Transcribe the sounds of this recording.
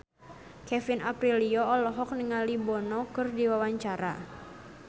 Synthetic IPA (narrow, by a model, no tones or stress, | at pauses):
kɛfinapɾiliɔɔlɔɦɔk̚nəŋalibɔnɔkɨrdiwawaɲt͡ʃaɾa̰